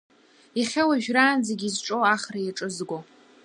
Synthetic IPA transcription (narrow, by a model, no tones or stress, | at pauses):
iχʲawaʒᶣraːnzeɡʲizʈ͡ʂʼowaχrajaʈ͡ʂʼɨzɡʷo